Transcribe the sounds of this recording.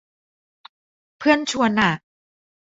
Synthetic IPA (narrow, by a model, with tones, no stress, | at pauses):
pʰɯ˥˩ənt͡ɕʰu˧əna˨˩t̚